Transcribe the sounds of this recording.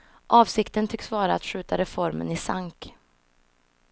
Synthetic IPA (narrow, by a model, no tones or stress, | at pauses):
ʔɑːvsɪkt̪ənt̪ʰʏksvɑːɾaːt̪ɧʉ̟ːt̪aɾɛfɔɾmə̰nɪsaŋk